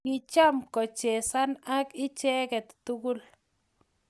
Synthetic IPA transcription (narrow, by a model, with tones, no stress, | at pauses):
ɪ˨t͡ʃa˦mkɔ˨t͡ʃɛ˨sa˦na˦kɪ˦t͡ʃɛ˦kɛ˨t̪tu˦ku˦l